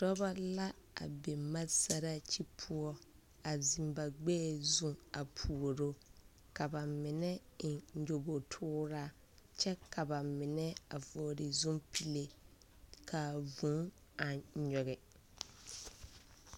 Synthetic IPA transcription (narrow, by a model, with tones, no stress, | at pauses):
tɔ˦ba˦la˦a̰˨be˨ma˦sa˨ɾa˦t͡ʃi˦pʰʊ˦ɔ˦ | a˨zi˨mba˨ɡ͡bɛː˦˨zũ˦a˨pʰu˨o˨ɾo˦ | ka˨ba˨mɪ˨nɛ˦ɪ˨˦d͡ʒo˨bo˨tʰʊː˦ɾaː˦ | t͡ʃɛ˦kʰa˨ba˨mɪ˨nɛ˦a˨vo˨ɾɪ˨zũ˦mpʰi˦le˦ | kʰa˨vũ˨˦ | a˨ɲɔ˨ɣɛ˨